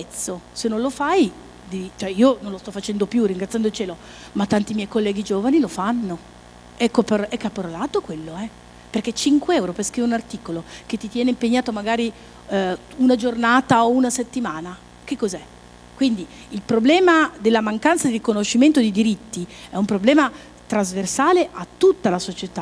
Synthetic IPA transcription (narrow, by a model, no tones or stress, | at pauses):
pɛt̪sːosenːõnlofaj | d̪it͡ʃoɛiːononlost̪ɔfːat͡ʃɛnd̪opjuriŋɡɾat̪sjand̪oilt͡ʃeːlo | mat̪ːant̪imjɛjkolːɛːɡid͡ʒoːvanilofanːo | ɛkːopeɛkːapːoɾlaːt̪okwelːoɛ | perket͡ʃiŋkweɛwɾopeskɾiveunart̪iːkolok̟et̪ːit̪jɛːneimpeɲːaːt̪omaɡaːɾi | unad͡ʒornaːt̪aounaset̪ːimaːna | k̟ekːozɛ | kwind̪i | ilpɾoblɛːmad̪elːamaŋkant̪sad̪iɾikonoʃːiment̪od̪id̪iɾit̪ːiɛumpɾoblɛːma | t̪ɾazversaːleʔat̪ːut̪ːalasot͡ʃet̪a